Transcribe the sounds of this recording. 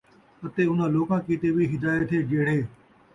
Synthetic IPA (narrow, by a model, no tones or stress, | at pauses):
ət̪eːʊn̤ãːloːkãːkiːt̪eːʋiːɦɪd̪aːjet̪ʰɦeːd͡ʒeːɽ̤eː